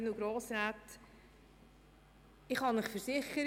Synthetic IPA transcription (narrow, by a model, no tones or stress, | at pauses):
nuɡɾoːsɾaːt | ɪχhɑnmɪχfəɾsɪχːəɾ